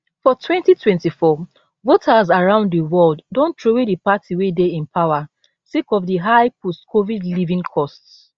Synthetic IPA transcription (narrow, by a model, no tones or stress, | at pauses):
fɔtʰwɛ̃ntitʰwɛ̃ntifɔ | votʰazaɹãʊ̃nddəwɔlddõntʰɹowedipatʰiwedeĩnpʰaʊa | sekɔfdəɦaɪpɔstkʰovidlivĩŋkʰɔsts